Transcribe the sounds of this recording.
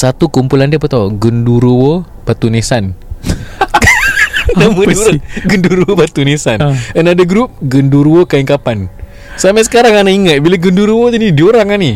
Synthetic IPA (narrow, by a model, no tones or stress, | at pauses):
sat̪ukumpulandiəpət̪aɡənduɾuwo | bat̪unesan | aməduɾəɡənduɾuwobat̪unesanʔənadaɡɾup̚ɡənduɾuwokaiŋkapan | samas̬ə̥kaɾaŋanaiŋət̪̚bilaɡənduɾuwot̪unidioɾaŋani